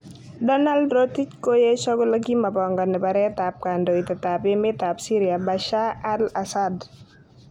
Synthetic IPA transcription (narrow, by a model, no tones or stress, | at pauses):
dɔnaldɾotit͡ʃkojeʃɔɡɔləɡimabɔŋɡɔnːɛbaɾɛtap̚kandoitatapemɪtapsiɾiabaʃaalasad